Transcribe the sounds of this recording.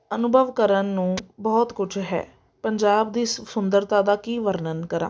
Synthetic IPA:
ənʊbʱəʋkəɾənːũːbɔːt̪kʊd͡ʒʰɦɛ̰ː | pəɲd͡ʒaːbd̪iːssʊnd̪əɾt̪aːd̪aːkiːʋəɾnənkəɾa̰ː

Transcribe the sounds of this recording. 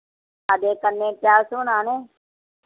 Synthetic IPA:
aːd̪eːkənːẽːpjaːsʊnaːneː

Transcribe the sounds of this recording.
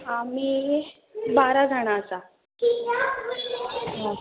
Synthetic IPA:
ami | baɾad͡zʱaɽ̃aəsa | kia | ɦã

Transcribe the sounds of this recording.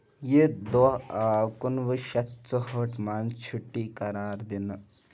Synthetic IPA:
jed̪ɔkunʋəʃɐt̪t͡səɦəʈmaːnt͡ʃʰuʈːiːkɐɾaːɾd̪in

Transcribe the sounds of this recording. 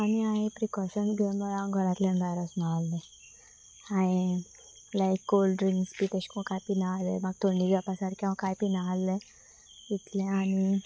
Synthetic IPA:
aniaẽpɾikɔɕənɡəməlãɡʱɔɾat̪lẽnbajɾɔsnaalːẽ | ae | lajkɡolɖɾiŋkspit̪eɕkɔ̃kajpinalemaɡ̚t̪oɳːiapasaɾkãkajpinaalːe | it̪lẽani

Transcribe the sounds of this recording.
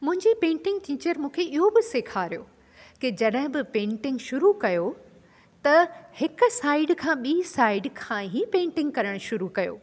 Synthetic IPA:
mʊ̃ɦɪ̃ɲd͡ʑipẽːɳʈɪ̃ŋɡ̚ʈiːt͡ɕəɾmũːkʰeʔɪɦobɪseːkʰaːɾijo̰ː | kid͡ʑɐɗɦɪ̃bɪpẽːɳʈɪ̃ŋɡʃʊɾukɐjo | t̪ɐhɪkʊ̆saːɪɖkʰãːɓiːsaːɪɖkʰãːɦipẽːɳʈɪ̃ŋɡ̚kɐɾəɽ̃ʃʊɾukɐjo̰ː

